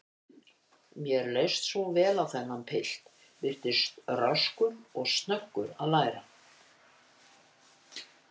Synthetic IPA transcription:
mjɛɾleːjst̪svɔwvɛːlawθɛnːampʰɪl̥t̪ | vɪɾ̥t̪ɪst̪raskʏmɔɣst̪nœkːʏɾaðlaːjɾa

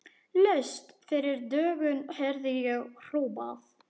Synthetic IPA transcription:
lœɥst̪fɪɾɪɾd̪œːɣʏnhɛɾðijʏr̥uːpað

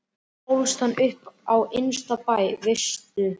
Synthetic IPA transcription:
owlst̪anːʔʏhpawɪjnst̪apaːjvest̪ʏ

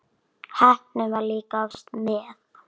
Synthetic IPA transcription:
hɛht̪nɪmaɾliːkafst̪mɛːð

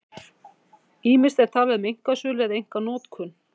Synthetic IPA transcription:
iːmɪ̥st̪ɛɾ̥t̪ʰaːlɛðmejŋ̥kasʏːlɛðejŋ̥kanɔːt̪kʰʏn

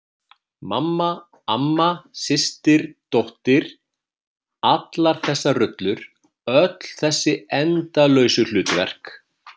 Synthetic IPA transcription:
mamːa | amːasɪst̪ɪɾ̥t̪owht̪ɪɾ̥ | at̪laɾ̥θɛsːarʏt̪lʏɾ | œt̪l̥θɛsːɪɛnt̪alœːɥsʏl̥ʏːt̪vɛ̰r̥k

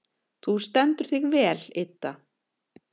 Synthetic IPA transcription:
θust̪ɛnt̪ʏɾ̥θɪɣvɛːlɪt̪ːa

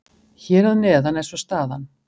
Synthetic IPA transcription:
çɛɾaðnɛːðanɛnsɔst̪aːðan

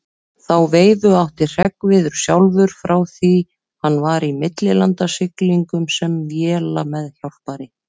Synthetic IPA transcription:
θawveːjðʏawht̪ɪr̥ɛkvɪðʏɾ̥sjawlvʏɾ̥fɾawθi | hanːvaɾimɪt̪lɪlant̪asɪkliŋkʏmsɛmvjɛːlamɛðç̥jawl̥paɾɪ

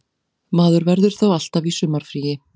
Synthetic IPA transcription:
maːðʏɾvɛɾðʏɾ̥θawal̥t̪avisʏmːaɾ̥fɾiːjɪ

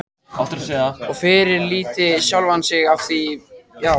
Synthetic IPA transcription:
aft̪ɾsɛɣaɔɣfɪɾɪɾliːt̪ɪsjawlvansɪɣaft̪ijaːw

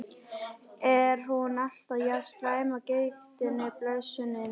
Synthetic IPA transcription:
ɛɾ̥ɦunal̥t̪aðjast̪vaːjmacejxt̪ɪnːɪplœðsʏnːɪn

